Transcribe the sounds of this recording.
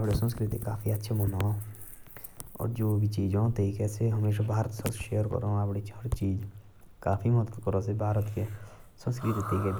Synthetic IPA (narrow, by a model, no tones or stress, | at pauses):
apɽesə̃nskɾɪt̪ikaːpʰiətːʃʰemonõ | ɔ̰ːɾd͡ʒoːbʱit͡ʃiːd͡ʒõt̪ekɛseɦəmeːʃ̬abʱaːɾət̪səsʃeːjəɾkə̰ɾõapɽit͡ʃʰəɽt͡ʃiːd͡ʒ | kaːpʰimɔd̪ət̪kəɾosebʱaːɾət̪kesə̃nskɾɪt̪it̪eːkɛ